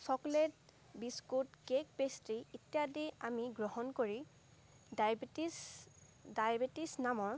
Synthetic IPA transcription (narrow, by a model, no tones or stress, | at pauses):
sɔklet | biskutkek̚pestiitjadiamiɡɹɔɦɔnkoɹi | datis | dajbetisnamɔɹ